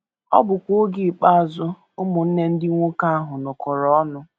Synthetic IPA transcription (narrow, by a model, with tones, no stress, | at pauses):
ɔ̰˦bʊ˨kʷo˦ɡi˦˨k͡pa˦a˨zʊ˦ | ʊ˦mʊ˨n̩˦ne˦n̩˦dɪ˦ŋʷʊ˦ka˦a˦ɦʊ˨nʊ˨kɔ˨ɾɔ˨˦ɔ˦nʊ˦